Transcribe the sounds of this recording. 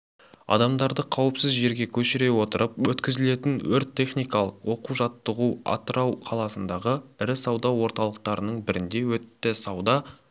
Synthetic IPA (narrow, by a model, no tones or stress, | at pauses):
ɑ̰d̪ɑmd̪ɑɾd̪əqʰɑwəpsɪzʒe̞ɾɡʲe̞kʲʰɵʃɪɾe̞wo̞t̪əɾʔəpwɵt̪kʲɪzɪle̞t̪ɪnwɵɾt̪ʲʰːe̞χnijkɑlˠəqwo̞quʒɑt̪ːəʁuɑ̰t̪əɾɑwqʰɑlˠɑsənd̪ɑʁəɪɾɪsɑwd̪ɑwo̞ɾt̪ɑlˠəq̚t̪ɑɾənəɴbɪɾɪnd̪e̞wɵt̪ːɪsɑwd̪ɑ